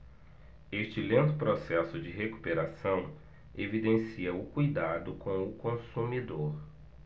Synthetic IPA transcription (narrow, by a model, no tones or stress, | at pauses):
est͡ʃɪlẽnt̪ʊpɾosɛsʊd͡ʒɪɦeku̥peɾasɐ̃w̃ | evid̪ẽsiɐʊkujd̪ad̪ʊkõw̃ʊkõsumid̪oɾ